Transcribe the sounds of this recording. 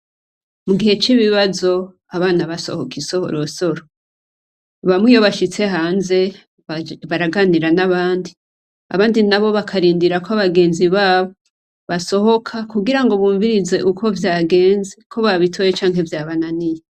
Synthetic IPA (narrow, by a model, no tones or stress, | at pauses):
muɡihe̞t͡ʃiβiβazo̞ | aβaːnaβaso̞̰hokisoho̰ɾoso̞ɾo | βamwijoβaʃit͡se̞ɦaːnze̞ | βaɾaɡaniɾanaβaːndi | a̰βaːndinaβo̞βakʰaɾiːndiɾakoaβaɡe̞ːnziβaːβo̞ | βaso̞ɦo̞kʰakuɡiɾaŋɡo̞βuːɱviɾize̞ʔuko̞vjaːɡe̞ːnzikʰo̞βaβitʰo̞ːjet͡ʃaːŋɦe̞vjaːβananije